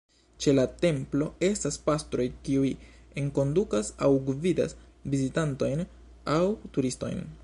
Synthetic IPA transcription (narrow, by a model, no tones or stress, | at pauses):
t͡ʃe̞late̞mplo̞e̞staspastɾo̞jkiuje̞ŋko̞ndukasawɡvida̰svizitanto̞jn | awtuɾisto̞̰jn